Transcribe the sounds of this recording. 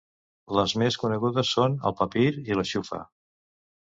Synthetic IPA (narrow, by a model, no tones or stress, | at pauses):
ləzmeskunəɣuðəsːonə̰lˠpəpiɾiləʃufə̰